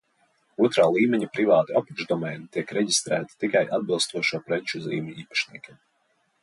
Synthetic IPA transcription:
uɔt̪ɾaːlˠiːmʲɛɲipɾivaːt̪iɔpɛʒd̪ɔmɛːnit̪iɛkɾɛɟist̪ɾæːt̪i̥t̪ikajʔad̪̚bɨlˠst̪uɔʃuɔpɾɛt͡ʃuzḭːmiiːpḁʃniɛkʲim

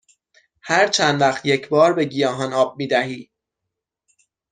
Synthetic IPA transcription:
hæɾt͡ʃʰænd̪væχt̪jecʰbɒːɾbe̞ɟijɒːɦɒːnɒːb̚miːd̪æɦiː

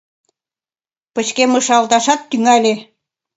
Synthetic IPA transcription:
pə̆t͡ɕkemɤʃɑlt̪ɑʃɑt̪ːyŋælʲe

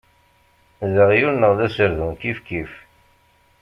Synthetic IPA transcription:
ðəʁjulnəʁðæsəɾðuŋkifkif

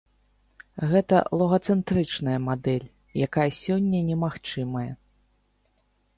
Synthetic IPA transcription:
ɣɛt̪ɐ̰lˠuɣɐt̪sɛnt̪ɾɨt͡ʂnɐjɐmad̪ɛlʲ | jakajɐsʲɔnʲːɐnʲɛmaxt͡ʂɨmɐjɐ

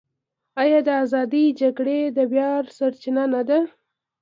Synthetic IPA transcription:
ajɑd̪əazɑd̪id͡ʒaɡɽed̪əbjɑɾsaɾt͡ʃɪnanad̪a

